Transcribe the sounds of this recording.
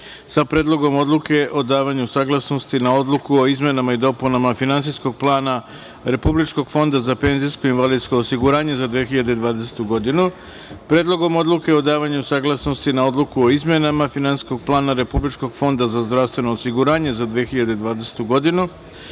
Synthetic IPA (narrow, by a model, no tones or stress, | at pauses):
sapɾe̞ːd̪lˠo̞ɡo̞mo̞d̪lˠuke̞ʔo̞d̪aːʋaɲusaːɡlˠasno̞st̪inao̞d̪lˠukuo̞izme̞namaid̪o̞punamafinants̬isko̞ɡ̚plˠaːna | ɾe̞publit͡ʃko̞ɡ̥fo̞nd̪azape̞nzisko̞inʋalid̪sko̞osiɡuɾaːɲe̞zad̪ʋeːxiʎad̪ed̪ʋaːd̪e̞se̥t̪uɡo̞d̪inu | pɾeːd̪lo̞ɡo̞mo̞d̪luke̞o̞d̪aːʋaɲusaɡlˠasno̞st̪inao̞d̪lˠukuo̞izmje̞namafinansi̥sko̞ɡ̚plˠaːnaɾe̞publit͡ʃko̞ɡ̥fo̞nd̪azazd̪ɾaʋst̪ʋe̞no̞ːsiɡuɾaːɲe̞zad̪ʋexiʎad̪e̞d̪ʋaːd̪ese̥t̪uɡo̞d̪inu